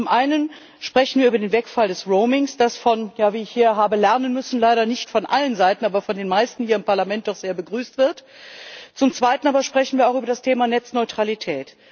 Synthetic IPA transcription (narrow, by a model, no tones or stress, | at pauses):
t͡sʊmʔaɪnən | ʃpʁ̥ɛçn̩viːɐyːbɐdeːnvɛkfaldɛsʁoʊmɪŋsd̥asfɔnjaːviːɪçhiːɐɦaːbəlɛʁɐnənmʏsn̩laɪɾɐnɪçtfɔnʔalənzaɪtn̩ʔaːbɐfɔndeːnmaɪstn̩hiːɐɪmpaɐlamɛnt̚d̥ɔχz̥eːɐbəɡʁyːstv̥ɪɐt | t͡sʊmt͡sv̥aɪtn̩aːbɐʃpʁ̥ɛçn̩viːɐaʊxyːbɐdastʰeːmanɛt͡snɔʏtʁ̥alitʰɛːt